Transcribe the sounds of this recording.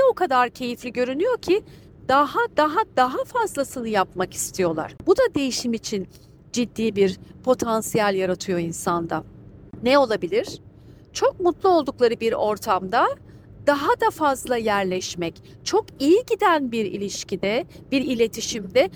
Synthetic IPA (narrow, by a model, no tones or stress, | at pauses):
ɛo̞kʰad̪aɾcʰe̞jiflʲiɟø̞ɾynyjo̞cʰi | d̪aɦad̪aɦad̪aɦafazlˠasɯnɯjapmaki̥st̪ʰijo̞lˠa̰ɾ̥bud̪ad̪e̞jiʃimit͡ʃʰin | d͡ʒid̪ːiːbiɾpʰo̞t̪ʰansijalʲjaɾat̪ʰɯjo̞insand̪anɛo̞lˠabilʲiɾ̥ | t͡ʃʰo̞k̚mut̪lˠuo̞lˠd̪uklˠaɾɯbiɾo̞ɾt̪ʰamd̪a | d̪̥aɦad̪afazlˠajæɾlʲɛʃmɛc | t͡ʃʰo̞kijiɟid̪ænbiɾḭlʲiʃcʰid̪ɛb̥iɾilʲe̞t̪ʰiʃimd̪ɛ